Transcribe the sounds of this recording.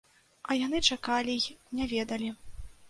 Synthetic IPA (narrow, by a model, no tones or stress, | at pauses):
ɐjan̪ɨt͡ʂakalʲijnʲavʲɛd̪ɐlʲi